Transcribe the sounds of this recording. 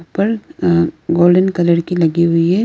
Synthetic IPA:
pːɐɾ | ɡoːlɖɐnkɐlɐɽkilɐɡiʋɪje

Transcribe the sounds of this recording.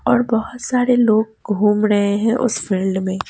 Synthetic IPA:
ɔːɾbɐɦʊt̪saːɾeloːɡ̚ɡʱuːmɾɐɦeɦɛ̃ʔʊ̰sfɪlɖmẽː

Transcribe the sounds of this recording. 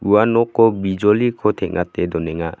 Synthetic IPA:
uwanɔkʰːɔbid͡ʒɔlikʰɔtʰɛʔ̚ŋatːedɔnɛŋa

